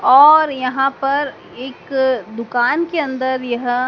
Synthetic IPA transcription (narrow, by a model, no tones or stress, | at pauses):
ɔːɾjɐɦãpɐɾ | eːkd̪ʊkaːnkeɐ̃nd̪əɾjɐɦ